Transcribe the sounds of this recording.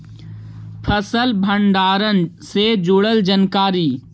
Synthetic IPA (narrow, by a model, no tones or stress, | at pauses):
pʰəsəlbʱəɳɖaːɾənsed͡ʒʊɽəld͡ʒənkaːɾiː